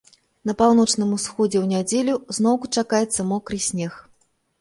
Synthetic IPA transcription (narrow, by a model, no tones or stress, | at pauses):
nɐpawn̪ɔt͡ʂn̪ɨmusxɔd͡zʲɛwnʲad͡zʲelʲuznɔwkut͡ʂakajɛt̪sːɐmɔkɾɨjsʲnʲɛx